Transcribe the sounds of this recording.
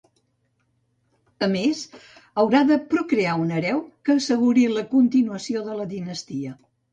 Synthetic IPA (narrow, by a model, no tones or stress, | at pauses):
əmez | əwɾaðəpɾukɾeaunəɾɛwkəːsəɣuɾiləkunt̪inuəsioðələðinəst̪iə